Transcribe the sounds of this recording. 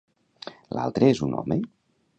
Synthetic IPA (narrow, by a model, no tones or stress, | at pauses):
la̰lˠt̪ɾəezunɔ̰me